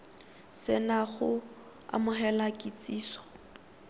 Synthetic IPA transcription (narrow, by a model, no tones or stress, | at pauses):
sɪnaɣʊ | a̰mʊχɛlakʼɪt͡sʼiːsɔ̥